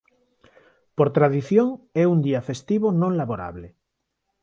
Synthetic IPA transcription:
poɾt̪ɾaðiθjoŋɛund̪iafest̪iβonõŋlaβoɾa̰βle

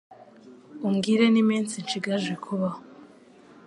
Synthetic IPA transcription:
umɡiɾe̞nimiːnt͡sint͡ʃiɡaʒɡikʰuβaho

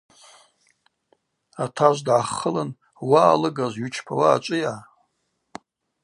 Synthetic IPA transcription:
atʰaʒʷdʕaχəlɨn | waːlɨɡazʷɥut͡ʃʰpʰawaːt͡ʃʷʼɨja

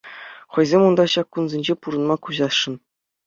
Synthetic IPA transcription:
χɤ̆jzʲemund̪ɑɕɑkːunzʲenʲd͡ʑepuɾɤ̆nmɑkuʑɑʂɤ̆n

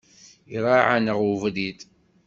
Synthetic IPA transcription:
iɾˤaʕanəʁuvlit̪

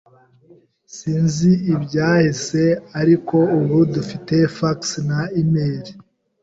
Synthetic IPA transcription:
siːnziibɟaːhise̞aɾiko̞uβudufite̞faksnaimeːɾi

